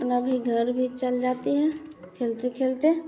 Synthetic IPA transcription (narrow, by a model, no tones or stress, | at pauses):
pnabʱiɡʱəɾbʱit͡ʃəld͡ʒaːt̪eɦɛkʰeːlt̪ekʰeːlt̪e